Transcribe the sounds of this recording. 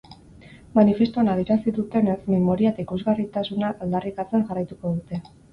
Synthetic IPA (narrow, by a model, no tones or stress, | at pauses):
manife̞st̪uanaðjiɾasiðut̪e̞ne̞sme̞mo̞ɾiat̪aikuzɣarit̪asunaald̪arikat͡se̞ŋʝarajt̪uko̞ðut̪e̞